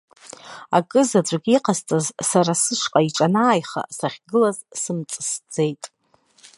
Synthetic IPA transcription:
akʼɨzad͡zʷʼaɡʲiqʼaztʼazsaɾasɨʂqʼaiʈ͡ʂʼanaːjχa̰saχʲɡɨlazsɨmt͡sʼɨsd͡ze̞jtʼ

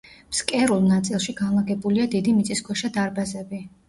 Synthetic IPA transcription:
m̥skʼɛɾulˠnat̪sʼilˠʃiɡanlˠaɡɛbuliad̪id̪imit̪sʼiskʰɔʃad̪aɾbazɛbi

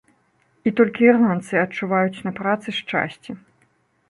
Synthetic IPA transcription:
it̪ɔlʲkʲiːrlˠant̪sɨɐt͡ʂuvajut͡sʲnɐpɾat̪sɨʂt͡ʂa̰sʲt͡sʲi

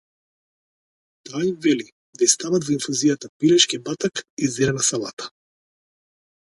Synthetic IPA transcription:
t̪ajvɛli | d̪aist̪avad̪vɔiɱfuzijat̪apiɾɛʃkibat̪akizɛɾɛnasalˠa̰t̪ḁ

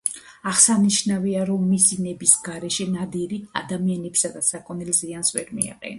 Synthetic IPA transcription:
aʁsaniʃnaviaɾɔmːisinɛbisɡaɾɛʃɛnad̪iɾia̰d̪amianɛpsad̪asakʼɔnɛlziansvɛɾmḭa̰qʼɛ̰n

